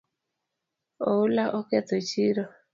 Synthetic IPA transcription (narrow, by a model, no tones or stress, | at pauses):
oulaʔɔkɛt̪ɔt͡ʃiɾɔ